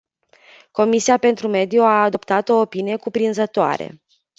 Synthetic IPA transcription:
ko̞misiape̞nt̪ɾume̞d̪ijuaːd̪o̞pt̪at̪o̞ːpinije̞kupɾinzət̪oa̰ɾe̞̰

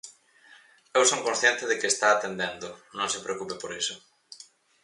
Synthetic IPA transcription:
ewsoŋkõnsθjent̪ɪðekɪest̪aːt̪end̪end̪ʊnõŋsepɾeokupepoɾisʊ

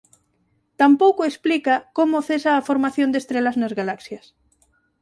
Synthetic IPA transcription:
t̪ampowkʊesplikɐkomʊθesaːfoɾmaθjõnd̪est̪ɾelɐznɐzɣalaksjɐs

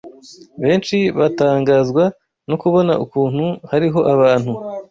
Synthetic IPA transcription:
βe̞ːnʃiβataːŋɡaːzɡwa | nokuβo̞na̰ʔukuːnhuhaɾiɦo̞ʔaβaːn̥hu

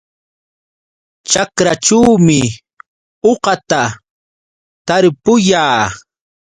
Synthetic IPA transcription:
t͡ʃakɾaʈ͡ʂuwmɪ | oqɑt̪a | t̪aɾpʊjaː

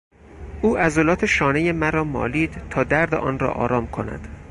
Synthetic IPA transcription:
ʔuːʔæzolɒːt̪ʰeʃɒːneje̞mæɾɒːmɒ̰ːliːd̪̥t̪ʰɒːd̪æɾd̪ḛʔɒ̰ːnɾɒ̰ːʔɒ̰ːɾɒːmkʰo̞næ̰d̪̥

